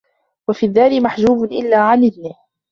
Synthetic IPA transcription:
wafiːðaːɾimaħd͡ʒuːbnʔɪ̰lːaːʕanʔɪd̪nɪh

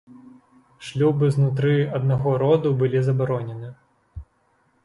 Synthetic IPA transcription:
ʂlʲubɨznut̪̬ɾɨɐd̪naɣɔɾɔd̪ubɨlʲizɐbaɾɔnʲɛnɨ

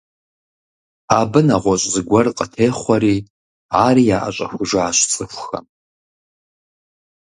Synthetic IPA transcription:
abɨnaʁʷɔɕʼzɨɡʷɐrqʼətʰejχʷɐɾiː | aːɾiːjaːʔa̰ɕʼɐ̰xʷʊʒaːɕʷt͡sʼɨxʷxɐ̰m

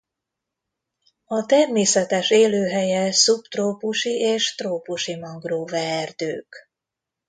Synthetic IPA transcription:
ɒt̪ɛrmeːsɛt̪ɛʃeːløːɦɛjɛsupt̪roːpuʃiʔeːʃt̪roːpuʃimɒŋɡroːvɛːrd̪øːk

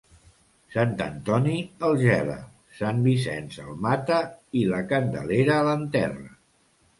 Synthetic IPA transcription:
sant̪ə̰nt̪ɔniəlˠʒɛβə̰ | sambisɛnsəlˠmat̪əiləkənd̪ə̰leɾəːlənt̪ɛrə

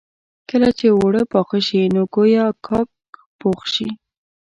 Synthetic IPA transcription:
kəlat͡ʃewoɽəpɑxəʃinoɡojakʰɑk̚ | poxʃi

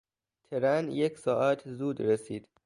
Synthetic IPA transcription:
t̪ʰeɾænjecʰsɒːʔæt̪ʰzuːd̪ɾesiːd̪̥

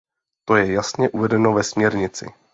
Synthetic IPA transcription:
t̪o̞jɛjasɲɛʔuvɛdɛnovɛsmɲɛɾɲɪt͡sɪ̰

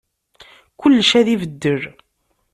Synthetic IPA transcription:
kʊlːʃæðivəd̪ːəɾ

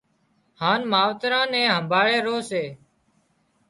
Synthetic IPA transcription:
haːnmaːʋt̪ɾãːnɛ̃ːɦəmbʱaːɭeːɾoːseː

